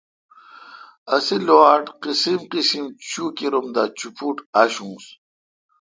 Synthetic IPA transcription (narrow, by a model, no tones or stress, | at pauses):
ɐsilwaːʈqisimqisimt͡ɕukiɾumd̪at͡ɕupuʈaɕũːs